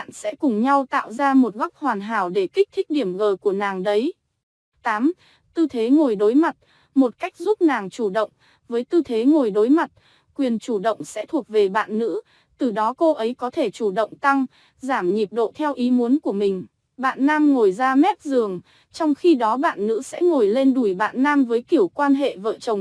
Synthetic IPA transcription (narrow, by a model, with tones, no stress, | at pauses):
a̰˧˨nsɛ̰˧˥kʊ˨˩ŋ͡mɲa˧wt̪a̰ː˧˨wzaː˧mo˨˩t̚ɣa˦˥p̚hwaː˨˩nɦaː˧˩wɗe˧˩kï˦˥k̟̚t̪ʰï˥k̟̚ɗi˧˩əmɣəː˨˩ku˧˩ənaː˨˩ŋɗə˨˦j | t̪aː˨˦m | t̪ɨ˧t̪ʰe˨˦ŋo˨˩jɗo˨˦jma˨˩t̚ | mo˨˩t̚ka˦˥jk̟̚zu˦˥p̚naː˨˩ŋt͡ɕu˧˩ɗə̰˧˨wŋ͡m | vəː˨˦jt̪ɨ˧t̪ʰe˨˦ŋo˨˩jɗo˨˦jma˨˩t̚ | kwi˨˩ənt͡ɕu˧˩ɗə̰˧˨wŋ͡msɛ̰˧˥t̪ʰu˨˩ək̚ve˨˩ɓa̰ː˧˨nːɨ̰˧˥ | t̪ɨ˨˩ɗɔ˨˦ko˧ʔə˨˦jkɔ˨˦t̪ʰe˧˩t͡ɕu˧˩ɗə̰˧˨wŋ͡mt̪a˧ŋ | zaː˧˩mɲi˨˩p̚ɗo̰˧˨t̪ʰɛ˧wʔi˨˦mu˨˦ənku˧˩əmï˨˩ŋ̟ | ɓa̰ː˧˨nːaː˧mŋo˨˩jzaː˧mɛ˦˥t̚zɨ˨˩əŋ | t͡ɕɔ˧wŋ͡mxi˧ɗɔ˨˦ɓa̰ː˧˨nːɨ̰˧˥sɛ̰˧˥ŋo˨˩jle˧nɗu˧˩jɓa̰ː˧˨nːaː˧mvəː˨˦jki˧˩əwkwaː˧nɦḛ˧˨və̰ː˧˨t͡ɕə˨˩wŋ͡m